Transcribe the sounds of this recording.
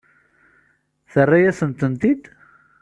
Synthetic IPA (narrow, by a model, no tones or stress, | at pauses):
θərˤːajæsənt̪ənt̪id̪